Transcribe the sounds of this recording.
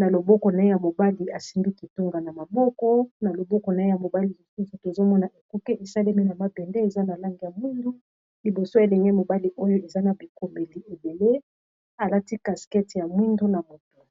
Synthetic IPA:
na˨lo˨bɔ˦kɔ˨na˨e˦ja˨mo˨ba˦li˨a˨si˦nbi˦ki˨tu˦ŋɡa˨na˨ma˨bɔ˦kɔ˦na˨lo˨bɔ˦kɔ˨na˨e˦ja˨mo˨ba˦li˨ja˨su˦su˨to˨zo˦mɔ˦na˨ʔe˨ku˦kɛ˦ʔe˨sa˦le˦mi˦na˨ma˦pɛ˨ndɛ˦e˨za˦na˨la˦ŋɡi˨ja˨mwi˦ndu˦ | li˨bo˨so˦e˨lɛ˨ŋɛ˦mo˨ba˦li˨ʔo˦jo˦e˨za˦na˨bi˨ko˨mbe˨li˨ʔe˨be˨le˦ | a˨la˦ti˦ka˨skɛ˦ti˨ja˨mwi˦ndu˦na˨mo˨tu̥˨

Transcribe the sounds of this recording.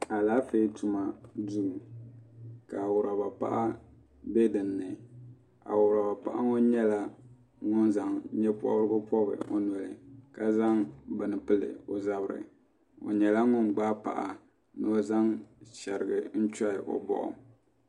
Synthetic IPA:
a˨laː˦fe˦tu˨ma˨du˦˨ | ka˨wʊ˨ɾa˨ba˨pa̰˦ʔa˦ | be˦dɨ˨nːɨ˨ | a̰˨wʊ˨ɾa˨ba˨pa̰˦˨ʔa˦ŋo˦ɲɛ˦la˦ | ŋʊ˦nza˨ŋɲɛ˦pɔ̰˦ɾɨ˦bʊ˦pɔ˦bɨ̰˨o˦nɔ˨lɨ˨ka˦za˦ŋbɨ˨nɨ˨pɨ˦lɨ̰˨o˨za˦bɨ˨ɾɨ̰˨ | o̰˨ɲɛ˨la˦ŋʊ˦nɡ͡baː˦pa̰˨ʔa˨ | nɨ˦za˦ŋʃɛ˨ɾɨ˨ɡɨ˨n̩˦t͡ʃa˦ɪ˨ʔo̰˨bɔ̰˦˨ʔʊ̰˨

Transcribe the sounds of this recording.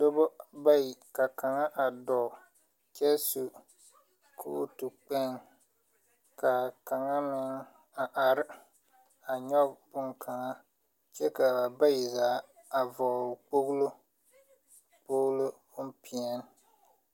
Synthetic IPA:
do˦bɔ˦ba˦ji˨ka˨ka˨ŋa˦ʔa˨dɔ˨ | t͡ʃɛ˦su˨ | kʰṵ˦tu˨k͡pɛ˦ŋ | ka˨ka˨ŋa˦mɪ˦ŋ | a˨ʔa˨ɾɪ˦ | a˨ɲɔ˦bʊ˦ŋkʰa˨ŋa˦ | t͡ʃɛ˦ka˨ba˨ba˦ji˨zaː˨˦a˨vɔ˨k͡po˦ɣlo˦ | k͡po˦ɣlo˦ | m̩˦pi˨ɛ˦n˦

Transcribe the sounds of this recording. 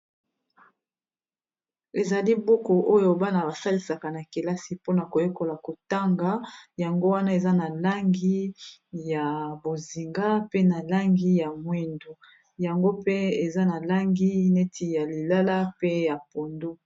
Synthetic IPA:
e˨za˨li˦bo˦ko˨ʔo˦jo˦ba˦na˨ba˨sa˦li˨sa˨ka˨na˨ki˨la˦si˨po˦na˨ko˨jo˦ko˨la˨ko˨ta˦ŋɡa˨˦ja˨ŋɡo˦wa˦na˦e˨za˦na˨la˦ŋɡi˦ja˨bo˨zi˨ŋɡa˦pe˦na˨la˦ŋɡi˦ja˨mwi˦ndu˦ | ja˨ŋɡo˦pe˦e˨za˦na˨la˦ŋɡi˦ne˦tʰi˨ja˨li˨la˦la˦pe˦ja˨po˨ndu˦

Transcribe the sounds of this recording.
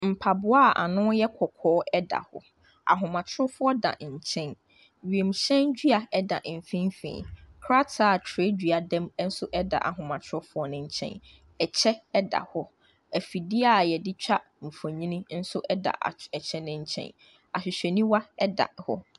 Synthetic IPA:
m̩˨pʰa˨bʊ˨˦a˦˨ʔa̰˨nʊ̃˦jɛ˦kʰɔ˨kʰɔː˨˦ɛ˦da̰˨hɔ̰˦ | a̰˨ɦʊ̃˨mã˨t͡ɕʰɪ˦ʊ˦fʊ˦ɔ˦dã̰˨ɲ̩˨t͡ɕʰɛ̃˦n | ɥi˨e˨mɕɛ̃˦nd͡ʑᶣi˦a˨ɛ˦da˨m̩˨fĩ˦m˦fḭ̃ː˨kʰɾa˦tʰa˦˨tʰɾe˦d͡ʑᶣi˨a˨dɛ̃˦m˦n̩˦sʊ˦ʔɛ˦da̰˨ʔa̰˨ɦʊ̃˨mã˨t͡ɕʰʊ˦fʊ˦ɔ˦nɪ̃˨ɲ̩˨t͡ɕʰɛ̰̃˦n | ɛ˨t͡ɕʰɛ˦ɛ˦da̰˨hɔ˦ | æ˨fi˨dɪ˦a˨jɛ˨dɪ˦t͡ɕᶣa˦ | m̩˨fõ˨ɲĩ˦nĩ˦n̩˦sʊ˦ʔɛ˦da̰˨ʔɛ˨t͡ɕʰɛ̃˦nɪ̃˦ɲ̩˦t͡ɕʰɛ̰̃˦n | a˨ɕᶣɪ˨ɕᶣɛ˨nĩ˦wa˦ɛ˦da̰˨hɔ̰˦

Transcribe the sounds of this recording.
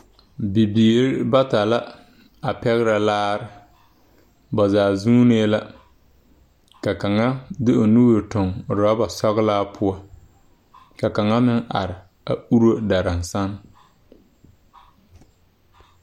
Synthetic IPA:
bi˨biː˨ɾɪ˦ba˦ta˨la˦ | a˨pɛ˦ɣɪ˦ɾa˨laː˦ɾɪ˦ | ba˨zaː˨zuː˦neː˦la˦ | ka˨ka˨ŋa˦dɪ˦ʔo˨nu˦ɾe˨tʊ˨ŋ˨ɾa˦ba˨sɔ˦ɣlaː˦pʰʊ˦a˦ | ka˨ka˨ŋa˦mɪ˦ŋʔa̰˨ɾɪ˨ | a̰˨u˦ɾo˦da˨ɾa˨n˨sa˦n

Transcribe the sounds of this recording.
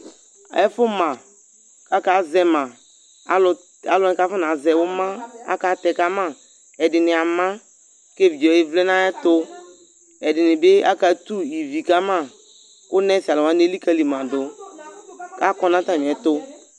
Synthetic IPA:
a̰˨ɛ˦fʊ˦mã˨ | ka˦ka˨˦zɛ˨mã˨˦ | l | a˨lɔ˦n˨ka˦fʊ˦n˨a˨zɛ˨wʊ˦mã˦a̰˦ka˨˦tɛ˨ka˦ma˦˨ | ɛ˨dɪ˨nɪ˨a˨ma˦ | ke˦˨vi˨d͡ʒɔ˨˦jɪ˦vlɛ˦na˦ɛ˦tʊ˦ | ɛ˨dɪ˨nɪ˨bɪ˦a̰˦ka˨˦tu˦i˨vi˨ka˦ma˦˨ | kʊ˦nɛ˦si˨a˨lʊ˨wa˨˦ne˦li˦ka˦li˨mã˨dʊ˨ | ka˦kɔ˦na˦ta˦m˨ɛ˨˦tʊ˦

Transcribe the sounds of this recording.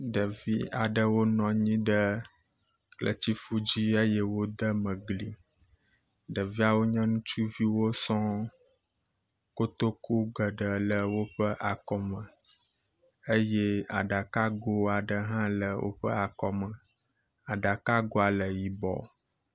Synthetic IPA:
ɖə˨vi˦a˨ɖə˨wo˦nɔ̃˨ɲĩ˦ɖə˦ | klə̰˨t͡ɕi˦fu˦d͡ʑi˦ə˦je˦wo˦d̪ə˦mə̃˨ɡli˨ | ɖə˨vi˦a˨wo˦ɲɛ̃˦nũ˦t͡ʃu˦vi˦wo˦sɔ̃˦ | ko˦t̪o˦ku˦ɡə˨ɖə˨lə˨wo˦ɸə˦ʔa˨kɔ˦mə̃˨ | ə˦je˦a˨ɖa˨ka˦ɡo˦a˨ɖə˨ɦã˦lə˨wʔo̰˦ɸə˦a˨kɔ˦mə̃˨ | a˨ɖa˨ka˦ɡo˦a˨lə˨ji˨bɔ̰˨

